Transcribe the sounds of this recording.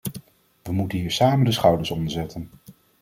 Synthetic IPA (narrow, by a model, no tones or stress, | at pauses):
ʋəmutənɦiːɹsaːməndəsχɑwdəɹsɔndəɹzɛtən